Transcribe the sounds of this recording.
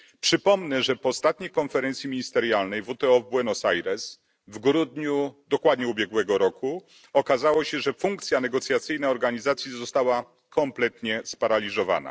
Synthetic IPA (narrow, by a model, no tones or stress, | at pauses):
pʂɘpɔmnɛʐɛpɔst̪at̪ɲejkɔnfɛɾɛnt̪sʲjimʲiɲist̪ɛɾjalnɛjvut̪ɛɔvbwɛnɔsajɾɛs | vɡɾud̪ɲud̪ɔkwad̪ɲuubʲjɛɡwɛɡɔɾɔku | ɔkazawɔɕɛʐɛfuŋkt̪sʲjanɛɡɔt̪sʲjat̪sɘjnaɔɾɡaɲizat̪sʲjizɔst̪awa | kʰɔmplɛt̪ɲɛspaɾalʲizɔva̰na̰